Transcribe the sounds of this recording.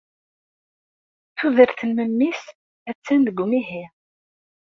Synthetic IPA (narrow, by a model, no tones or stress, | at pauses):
θuðəɾθənməmːis | æt͡sːænd̪əɡʷmiɦi